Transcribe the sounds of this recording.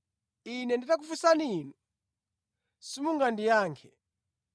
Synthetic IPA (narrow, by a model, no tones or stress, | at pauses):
inɛnditak̬ufusaniːnu | simuŋɡandijaːŋkʰɛ